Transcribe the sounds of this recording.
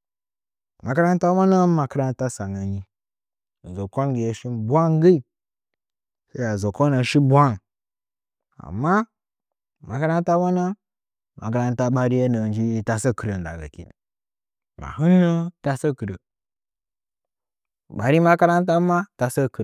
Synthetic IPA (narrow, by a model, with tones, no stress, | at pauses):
ma˨ka˦ɾa˦n˦ta˦wa˦na˦ma˨kə˦ɾa˦n˦ta˦sa˨na˨ɲi˦˨ | zo˨ko˦nɡe˨je˨˦ʃi˦nbʷa˦ŋɡə˦i˨ | sa˦a˨zo˨ko˦na˨ʃi˦bʷa˦n | a̰˨mːa˦ | ma˨ka˦ɾa˦n˦ta˦wa˦na˦ | ma˨k̬ə˦ɾa˦nta˦ɓa˦ɾi˦je˦nə˨nd͡ʒi˦ta˨sə˦kə˨ɾə˨n˨da̰˨ɡa̰˨kḭ˦na̰˨ | ma̰˨hɨ˦nːə˦ta˦sə˦kə˨ɾə̰˨ | ɓa˨ɾi˦ma˦ka˦ɾa˦nta˦ma˦ta˨sə˦kə˨